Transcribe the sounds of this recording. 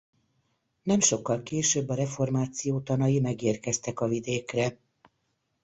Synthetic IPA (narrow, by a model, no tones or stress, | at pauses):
nɛmʃo̞kːɒlkeːʃøbːɒɾɛfo̞rmaːt̪sijoːt̪ɒnɒjimɛɡeːrkɛst̪ɛkɒvid̪eːkrɛ